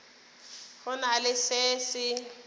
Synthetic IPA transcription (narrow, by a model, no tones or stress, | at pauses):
hʊnalɪseːsɪ